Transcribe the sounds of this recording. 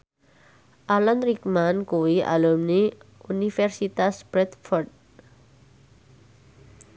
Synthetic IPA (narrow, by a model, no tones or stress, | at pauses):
ʔalanɾikmankuwiʔa̰lumniunifɛrsit̪asbɾɛt̪fɔrd̚